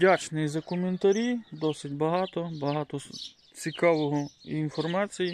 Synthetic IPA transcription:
dʲat͡ʃnɪjzɐkɔment̪ɐɾʲid̪ɔsɪtʲbɐɦɑt̪ɔbɐɦɑt̪ɔ | t͡sʲikɑʋɔɦɔinfɔrmɑt͡sʲiji

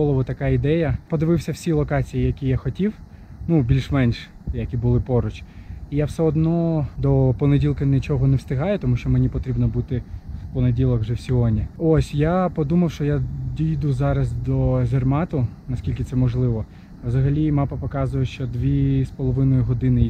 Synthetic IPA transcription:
ɔlˠɔʋʊt̪ɐkɑid̪ɛjɐpɔd̪ɪʋɪwsʲɐw̥sʲilˠɔkɑt͡sʲijijɐkʲijaxɔtʲiw | nubʲilʲʃmɛnʲʃ | jɐkʲibʊlˠɪpɔɾʊt͡ʃijawsɛɔd̪nɔd̪ɔpɔnedʲilˠkɐnɪt͡ʃɔɦɔnɛwst̪ɪɦɑjɛt̪ɔmuʃt͡ʃɔmenʲipɔt̪ɾʲibnɔbut̪ɪwpɔnedʲilˠɐkʒɛwsʲiɦɔnʲiɔsʲjapɔd̪umɐwʃt͡ʃɔjad̪ʲijd̪uzɑɾɐsd̪ɔʒʲɛrmɑt̪ʊnɐskʲilʲkʲɪt̪sɛmɔʒlˠɪʋɔ | ʋzɐɦɐlʲimɑpɐpɔkɑzʊjɛʃt͡ʃɔd̪ʋʲispɔlˠɔʋɪnɔjʊɦɔd̪ɪnɪ

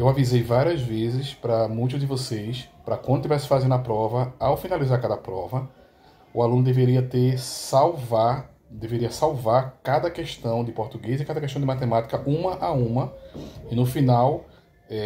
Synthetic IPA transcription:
ewavizejvaɾiɐzvezɪspɾɐmũj̃t̪̬ʊzd̪ɪvosejspɾɐkwɐ̃nd̪ʊt̪ivɛsɪ̥fazẽnd̪̃ɐpɾɔvɐawfinalizaɾkad̪ɐpɾɔvɐ | ʊalũnʊd̪eveɾiɐt̪eɾsawvaɾ | d̪eveɾiɐsawvaɾkad̪ɐkɛʃt̪ɐ̃w̃d̪ɪpoɾt̪uɡejzɪkad̪ɐkɛʃt̪ɐ̃d̪ɪmat̪emat̪i̥kɐʔũmɐʔaũmɐɪnʊfinaw | ɛ

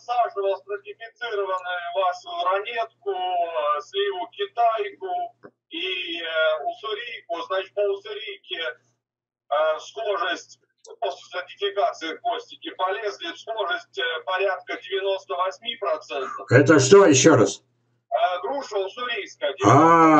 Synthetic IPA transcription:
saʐɨvəsprətʲɪfʲɪt̪sɨɾəvənɨlˠaʂʊjʊɾɐnʲet̪kʊslʲijʊkʲɪt̪ajkʊ | i | ʊsʊɾʲijkʊznat͡ɕɪ̥t̪̚pəʊsʊɾʲijkʲɪ | əsxoʐəsʲtʲ | posʲlʲɪsɪntʲɪfʲɪkat̪sɨɪkosʲtʲɪkʲɪpɐlʲezʲlʲɪsxo̞ʐəsʲtʲpɐɾʲat̪̚kədʲɪvʲɪno̞st̪əvɐsʲmʲipɾɐt̪sɛnt̪əfɛt̪əʂt̪ojɪɕːoɾas | əɡɾuʂəsʊɾʲijskədʲa

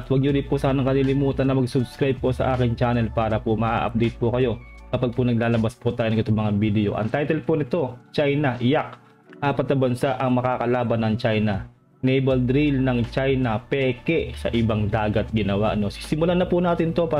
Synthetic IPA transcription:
t̪wɐɡ̚ɲʊɾɪnpʊsaːnɐŋkɐnilɪmuːt̪ɐnːɐmɐɡsʊbskɾajb̚posɐ̰ʔaːkɪŋt͡ʃaːnɛlpaːɾɐpʊmɐʔa̰ʔɐ̰p̚d̪ɛjt̪̚pʊkɐjo̞kɐpaɡ̚pʊnɐɡ̚laːlɐbaspʊt̪aːjoɐŋʔɪt̪omɐŋabid̪ɛo̞̰ʔɐ̰ŋt̪ajt̪ɛlponɪt̪o̞t͡ʃajnɐʔɪjak̚ | ʔaːpɐt̪̚nɐbɐnsaʔɐŋmɐkaːkɐlaːbɐnːɐŋt͡ʃajnɐ | nɛjbɐld̪ɾilnɐŋt͡ʃajnɐpɛːkɛsɐ̰ʔɪbaŋd̪aːɡɐt̪̚ɡɪnɐwaʔno̞sɪ̥sɪmʊlanɐpʊnaːt̪ɪnt̪o̞paː

